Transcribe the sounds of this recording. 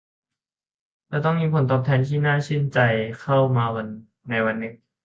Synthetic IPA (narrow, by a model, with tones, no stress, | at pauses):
lɛː˦˥wt̪ɔ˥˩ŋmiː˧˥pʰo˩˦nt̪ɔː˨˩p̚t̪ʰɛː˧nt̪ʰiː˥˩naː˥˩t͡ɕʰi˥˩nt͡ɕa˧jkʰa˥˩wmaː˧wa˧nː | a˧jwa˧nːɯː˦˥t̚